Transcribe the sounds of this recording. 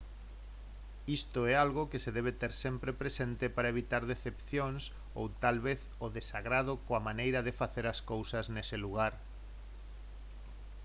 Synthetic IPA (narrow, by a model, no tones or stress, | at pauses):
ist̪oɛalɣokɪseðɛβ̞et̪eɾsempɾepɾesent̪ɪpaɾɐeβ̞it̪aɾðeθepθjoŋs | o̰wt̪alβeθ | oðesaɣɾað̞okoamanejɾɐðefaθeɾaskowsɐznɛseluɣ̞aɾ